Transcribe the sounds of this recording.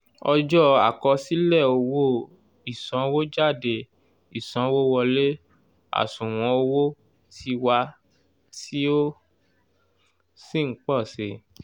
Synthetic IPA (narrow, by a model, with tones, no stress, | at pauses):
ɔ˧d͡ʒɔ˦a̰˨kɔ˧si˦lɛ˦˨o˧wo˦˨ | i˨sɔ̃˨˦wo˦d͡ʒa˦˨de˧˨ | i˨sɔ̃˨˦wo˦wɔ˧le˦ | a̰˨sũ˨w̃ɔ̃˧˦o˧wo˦ | ti˧wa˧ | ti˦o˦ | si˦˨ŋ̩˦k͡pɔ˦˨se˧˨